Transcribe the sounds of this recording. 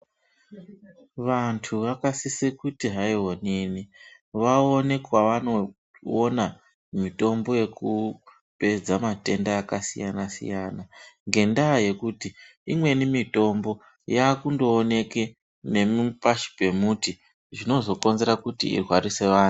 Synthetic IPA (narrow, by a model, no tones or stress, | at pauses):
ʋantʰuʋakasisekutiɦaiɦo̞neːni | ʋaone̞kwaʋano̞ | ona | mito̞mbo̞je̞ku | pe̞d͡zamate̞ndaːkasḭjanasḭjaːnaŋɡe̞ndaje̞kuti | imwe̞nimito̞mbo̞ | jaːkundo̞ːne̞ke̞ | ne̞mupaʃi̥pe̞muti | ʐino̞zo̞ko̞nze̞ɾakutḭːrwarise̞ʋaːnu